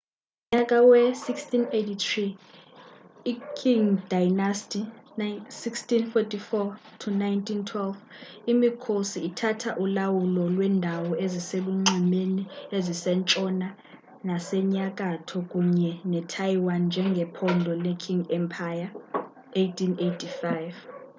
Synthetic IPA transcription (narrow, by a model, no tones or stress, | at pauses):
m̩ɲakʼawɛsikstʰʼinejtʰit̪ʰri | kʰiŋdajnastʼinsikstinfɔtʰʼifɔ | tʰunajntʰintʰwɛlvimikʰosiːtʰatʰaʔulawulɔlwɛndʱawɔeziseluŋ͡ǀimeniezisɛnt͡ʃʼɔna | nasɛɲak̬ʼatʰɔk̬ʼuɲɛnɛtʰajiwand͡ʒʱɛŋɡʱɛpʰɔndʱɔlɛkʰiŋɡɛmpʰaja | ejtʰinejtʰifajv